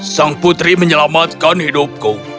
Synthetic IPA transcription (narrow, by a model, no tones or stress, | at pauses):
saŋput̪ɾiməɲəlamat̪̚kanhidʊp̚ku